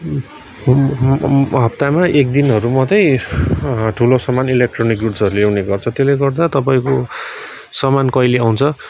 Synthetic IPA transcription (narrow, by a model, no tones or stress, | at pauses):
ɦʌp̚t̪amaʔek̚d̪inɦʌɾumʌt̪ʌj | ʈʰulosʌmanilek̚ʈronikɡuʈsʌɾulewneɡʌrt͡sʰʌt̪eleɡʌrd̪at̪ʌpaĩko | sʌmankʌjleaw̃nt͡sʰʌ